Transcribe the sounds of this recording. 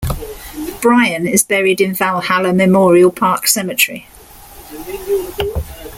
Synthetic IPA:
b̥ɹaɪə̃nɪzbɛɹɪdɪ̃nvalˠhaləmɛmɔːɹiəlˠpʰɑˑksɛmɪt͡ʃɹ̥ḭ

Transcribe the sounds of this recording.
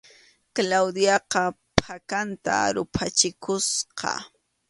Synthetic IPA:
klawd̪jɑqɑ | pakant̪a̰ɾʊpʰat͡ʃɪkʊsqɑ̰

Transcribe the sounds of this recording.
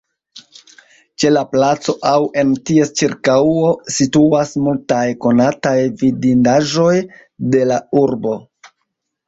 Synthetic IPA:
t͡ʃe̞laplat͡so̞ʔawe̞ntie̞st͡ʃiɾkawosituasmultajko̞natajvidindaʒo̞j | de̞lauɾbo̞

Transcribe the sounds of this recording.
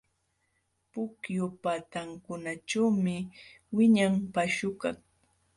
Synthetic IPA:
pʊkjʊpat̪aŋkʊnaʈ͡ʂawmɪ | wɪɲampaʃʊka̰ŋ

